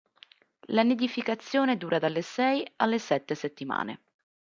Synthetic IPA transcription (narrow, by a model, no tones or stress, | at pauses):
laned̪ifikat̪sːjoːned̪uːɾʔad̪alːesɛjalːesɛt̪ːeset̪ːima̰ːnḛ